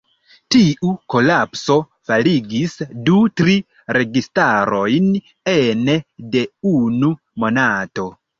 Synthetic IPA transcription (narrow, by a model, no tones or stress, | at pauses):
tiʔuko̞lapso̞ | faliɡisdutɾi | ɾe̞ɡistaɾo̞jn | enede̞unu | mo̞nato̞